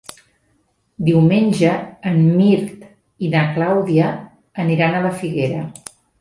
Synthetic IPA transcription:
d̪iwmenʲʒəːmmiɾt̪ | inəklawðiəː | niɾanələfiɣeɾə

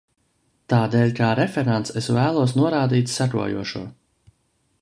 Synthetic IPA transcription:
t̪aːd̪eːlʲkaːɾɛfʲɛɾant̪sesvæːlˠuɔsnuɔɾaːd̪iːt̪sakṵɔjṵɔʃṵɔ

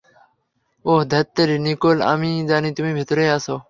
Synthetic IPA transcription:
oːɦd̪ʱət̪ːəɾiːnikoːla̰ːmĩːd̪aːnĩːt̪ʊmĩːbʱɪt̪ɾeːaːsoː

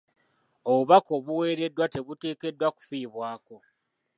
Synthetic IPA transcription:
oβuβako̞βuwe̞ːɾe̞dːwate̞βute̞ːke̞dːwaku̥fiːβwaːko̞

